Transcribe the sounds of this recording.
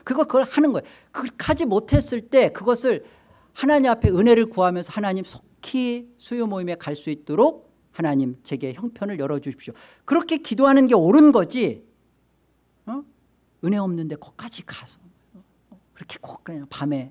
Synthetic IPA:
kɯiɡʌkɯɡʌɭhanɯnɡʌj | kɯkʰad͡ʑimotʰe̞s͈ɯɭt͈e̞kɯɡʌsʰɯɭ | hanaɲimapʰe̞ɯne̞ɾɯɭkuɦamjʌnsʰʌhanaɲimsʰo̥kʰisʰujomoime̞kaɭs͈uit̚t͈oɾok̚ | hanaɲimt͡ɕe̞ɡe̞çjʌŋpʰjʌnɯɭjʌɾʌd͡ʑuɕʰi̥p̚ɕ͈jo | kɯɾʌkʰe̞kidoɦanɯnɡe̞oɾɯnɡʌd͡ʑi | ʌ | ɯne̞ʌmnɯnde̞kʌk͈ad͡ʑikasʰʌ | kɯɾʌkʰe̥kʌk͈aɲapame̞

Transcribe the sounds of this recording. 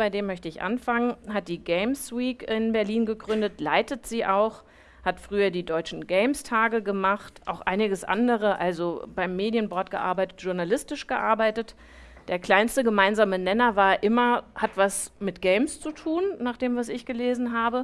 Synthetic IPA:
b̥aɪdeːmːœçtəɪçʔa̰nfaŋənɦat̚d̥iːɡɛɪmswiːkɪnbɛɐliːnɡəɡʁʏndətlaɪtətz̥iːʔaʊχ | hatfʁ̥yːɐdiːdɔʏt͡ʃn̩ɡɛɪmstʰaːɡəɡəmaχtʔa̰ʊxʔa̰ɪnɪɡəsʔa̰ndəʁəʔalzobaɪmːeːdjənbɔɐtɡ̥əʔa̰ɐbaɪtətʒ̥ʊɐnalɪstɪʃɡ̥əʔaɐbaɪtət | d̥eːɐkl̥aɪnstəɡəmaɪnzaːmənɛnɐvaːɐʔɪmɐhatv̥asmɪtɡ̥ɛɪmst͡sutʰuːnnaːχd̥eːmvasɪçɡ̥əleːzn̩ɦaːbə

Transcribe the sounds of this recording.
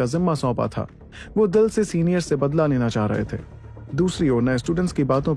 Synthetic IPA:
azɪmːasɔ̃ːpa̰t̪ʰa̰ː | ʋoːd̪ɪlsesiːnijəɾsebɐd̪laleːnat͡ʃaːɦɾɐ̰ɦḛt̪ʰḛː | d̪uːsɾiɔːɾnɐesʈuːɖə̃ɳʈskibaːt̪õ

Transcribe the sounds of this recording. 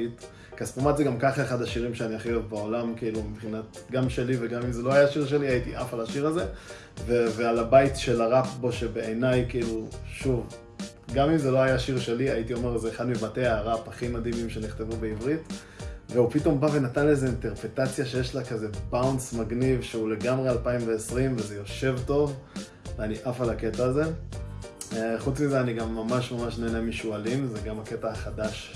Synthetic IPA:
it | kaspumatzeɡamkaχaeχadaʃiʁimʃeaniaχiovbaolamkiiːlumibχinat̪ɡamʃe̞liveɡamimzelo̞ajaʃiʁʃ̬e̞liaitiʔafalaʃiʁaze | vevealabaitʃe̞laʁapbo̞ʃe̞beʔenajkiiluʃuv | ɡamimzelo̞ajaʃiʁʃe̞liajitio̞meʁzeːχad̪mibateaʁapaχimad̪imimʃe̞niχt̪evube̞ivʁit | ve̞upito̞mbave̞natanleze̞inte̞ʁpʁetat͡sjaʃe̞jeʃlakaze̞bawnsmaɡnivʃeule̞ɡamʁealpaimve̞ːsʁimvezejo̞ʃe̞vto̞v | veaniʔafalake̞taːze̞ | χut͡smizeaniɡamːamaʃmamaʃneːnemiʃualimzeɡamake̞taaχad̪aʃ

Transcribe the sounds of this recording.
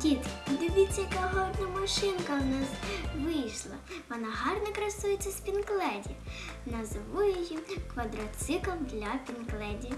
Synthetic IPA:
kʲit̪id̪ʲʊbʲit͡sʲːɐjɐkaɦɔd̪nɐmɐʃɪnkɐwnɑsʋɪjʃlˠɐ | pɐnɐɦɑrnɐkɾɐsujet͡sʲːɐspʲinklˠɛdʲi | nɐzɐʋʊjʊjikʋɐd̪ɾɐt̪sɪkɐmd̪lʲɐpʲɪnklˠɛdʲi

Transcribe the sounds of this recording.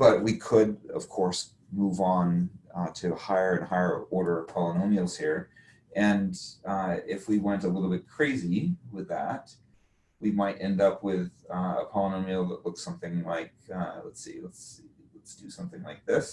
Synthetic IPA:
b̥ʌt̚wikʰədʌ̰v̥kʰɔɹs | muvn̩tʰɨhaɪə˞ɨ̃nhaɪə˞ɔɹɾə˞ʌ̥pʰɑlˠənõʊmil̩ˠz̥hiɹ | ɨ̃n | ɪfwiwɛ̃ntəlɪɾl̩ˠbɪt̚kʰɹ̥eɪziwɪðæt̚ | wimaɪɾɛ̃ndʌpʰwɪðə̰pʰɑlˠənõʊmil̩ˠðətˡlʊksʌ̃mθɪ̃ŋlaɪk̚lɛtselɛtsilɛtsd̥ɨsʌ̃mθɪ̃ŋlaɪk̚ðɪs

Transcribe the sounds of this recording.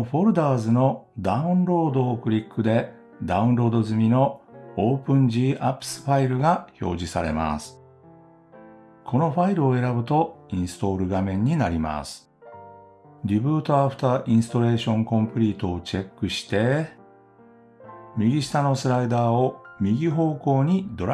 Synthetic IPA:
ɸo̞ɾɯ̟d̪aːzɨno̞d̪aɯ̟̃nɾo̞ːd̪o̞ːkɯ̟ɾʲikːɯ̟d̪e̞ | d̪aɯ̟̃nɾo̞ːd̪o̞zɨmʲino̞oːpɯ̟̃ɲ̟d͡ʑiːʔapːɯ̥sɨ̥ɸaiɾɯ̟ɡaço̞̰ːʑisaɾe̞̰ma̰sɨ̥ | kʰo̞no̞ɸaiɾɯ̟o̞e̞ɾabɯ̟t̪o̞ĩɰ̃sɨ̥t̪o̞ːɾɯ̟ɡamẽ̞ɲ̟ːinaɾʲima̰sɨ̥ | ɾʲibɯ̟ːt̪oaɸɯ̟̥t̪aːʔĩɰ̃sɨ̥t̪o̞ɾe̞ːɕõ̞ŋkõ̞mpɯ̟ɾʲiːt̪o̞ːt͡ɕe̞kːɯ̟ɕi̥t̪e̞ | mʲiɡʲiɕi̥t̪ano̞sɨɾaid̪aːomʲiɡʲiɦo̞ːko̞ːɲ̟id̪o̞ɾ

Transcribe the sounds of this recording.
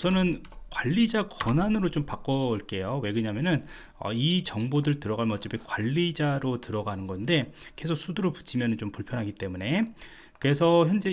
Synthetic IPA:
sʰʌnɯn | kwaʎːid͡ʑakʌnanɯɾot͡ɕompak͈ʌɭk͈e̞jowe̞ɡɯɲamjʌnɯn | ʌ̰it͡ɕʌŋbodɯɭtɯɾʌɣaɭmʌt͡ɕ͈ipikwaʎːid͡ʑaɾotɯɾʌɡanɯnɡʌnde̞ke̞sʰok̚s͈udɯɾopu̥t͡ɕʰimjʌnɯnt͡ɕompuɭpʰjʌnɦaɡit͈e̞mune̞ | kɯɾe̞sʰʌçjʌnd͡ʑe̞

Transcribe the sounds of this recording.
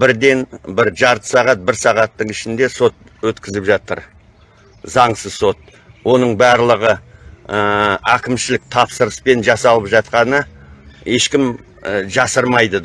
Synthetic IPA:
bɪɾd̪e̞nbɪɾʒɑɾt̪ə̥sɑʁɑt̪̚bɪɾsɑʁɑt̪ːəɴɪʃɪnd̪e̞so̞t̪̚ | wɵt̪kʲɪzɪpʒɑt̪əɾ | zɑɴsəzso̞t̪̚ | wo̞nəɴbɑɾlˠəʁəəækʲɪmʃɪlɪk̚t̪ʰɑpsəɾəspe̞nʒɑsɑlˠəpʒɑt̪qɑnə | e̞ʃkʲɪm | ʒɑsəɾmɑjd̪ə

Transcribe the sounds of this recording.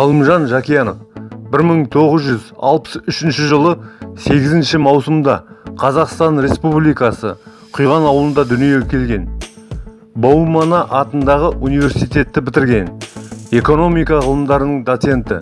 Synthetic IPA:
ɑlˠəmʒɑnʒɑkʲijɑnəfbɪɾməɴt̪ʰo̞ʁəzʒʏzɑ̰lˠpə̥sʏʃɪnʃɪʒəlˠəse̞ɡʲɪzɪnʃɪmɑwsəmd̪ɑ̰qʰɑzɑqst̪ɑnɾe̞spublijkɑsə̰ | qʰʊjʁɑnɑwəlˠənd̪ɑd̪ʏnijekʲʰe̞lɡʲe̞n | bowmɑnɑʔɑt̪ənd̪ɑʁəʔunijvʲe̞ɾsijt̪e̞t̪ːɪbɪt̪ɪɾɡʲe̞ne̞ko̞no̞mijkɑʁəlˠəmd̪ɑɾənəɴd̪ot̪se̞nt̪ɪ̰

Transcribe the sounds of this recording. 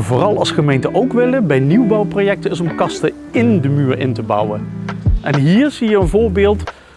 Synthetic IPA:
vʊːrɑlˠɑ̰lˠsχəmejntəʔowkʋɪlənbɛjniwbɑwprojɛk̚təɪs̬ɔmkɑstə | ɪndəmyːɹɪ̰ntəbʌ̰wənʔɛnɦiːɹz̥ijəənvʊːɹbɪːlˠt

